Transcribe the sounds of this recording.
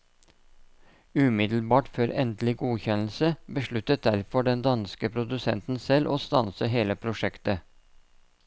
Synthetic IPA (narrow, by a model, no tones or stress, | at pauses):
ʉmɪd̪l̩bɑːʈføːɾɛ̰nd̪lɪɡuːçɛnl̩səbəʃɭʉt̪ət̪̚d̪æɾfɔɖɛnd̪ɑnskəpʰɾʊd̪ʉsɛ̰nt̪n̩sɛlʔoːst̪ɑnsəɦeːləpʰɾʊʂɛkt̪ə